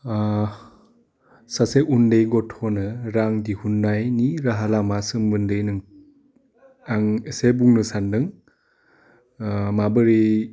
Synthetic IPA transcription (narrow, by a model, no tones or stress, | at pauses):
saseʔundejɡɔtʰonɯɾaŋdihunːajniɾaɦalamasɯmbɯndɯjnɯŋ | aŋesebuŋnɯsandɯŋ | mabɯɾi